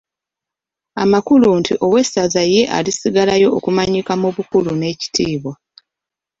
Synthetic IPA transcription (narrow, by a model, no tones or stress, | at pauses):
a̰makuluntiʔo̞we̞sazaje̞ʔa̰lisiɡalajo̞ʔːkumaɲikamuβukulune̞ːci̥tiːβwa